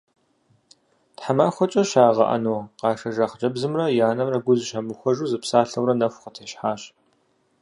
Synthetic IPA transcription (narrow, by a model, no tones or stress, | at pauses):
tħamaːxʷɔt͡ʃʼɐʃaːʁɐ̰ʔɐ̰noːqɑːʂɐʒɐχd͡ʒɐbzɨmrɐjaːnɐmrɐɡʷʊzʃɐmɨxʷɔʒuːzɨpsaːɬɐwrɐnɐxʷqətʰeːɕħaːɕ